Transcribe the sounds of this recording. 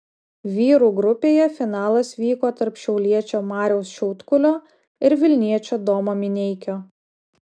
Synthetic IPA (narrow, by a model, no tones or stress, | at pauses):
ʋʲiːɾuːɡɾʊpʲeːjɛfʲɪnɑːlˠɐsʋʲiːkoːt̪ɐɾpʃʲɛʊlʲiɛt͡ʃʲoːmɑːɾʲɛʊsʃʲuʊt̪kʊlʲoː | ɪɾʋʲɪlʲnʲiɛt͡ʃʲoːd̪oːmoːmʲɪnʲɛɪkʲoː